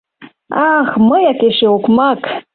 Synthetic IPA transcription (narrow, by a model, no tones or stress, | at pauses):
aχməjakeʃeukmak